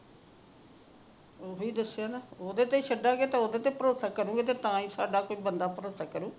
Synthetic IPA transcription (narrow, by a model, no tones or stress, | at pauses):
oːɦoiːd̪əsːɪjaːnaːoːd̪eːt̪eːʃəɖãːɡeːt̪ẽːoːd̪eːt̪eːpəɾoːsaːkəɾũːɡeːt̪eːt̪ãːĩːsa̰ːɖaːkʊd͡ʒʰbənd̪aːpəɾoːsaːkəɾũː